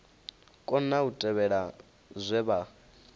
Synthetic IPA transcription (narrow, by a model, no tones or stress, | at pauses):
kʼɔn̩nautʼɛβɛɺa | zʷɛβa